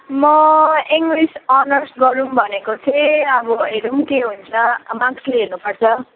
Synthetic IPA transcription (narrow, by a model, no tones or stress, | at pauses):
mʌiŋɡɾisʌnʌrsʈɡʌɾumbʱʌnekot͡sʰʌʌbʌɦeɾumkeɦunt͡sʰʌmakeɦernupʌrt͡sʰʌ